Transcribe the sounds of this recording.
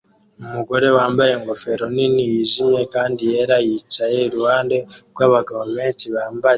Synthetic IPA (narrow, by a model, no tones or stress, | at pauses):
mumuɡo̞ɾe̞waːmbajeŋɡo̞fe̞ɾoninijiʒimekaːndijeɾajit͡ʃajeɾuwaːnde̞ɡwaβaɡavame̞ntiβaːmba